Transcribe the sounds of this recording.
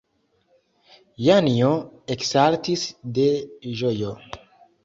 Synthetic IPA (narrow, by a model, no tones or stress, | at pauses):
janioeksaltisde̞ʒojo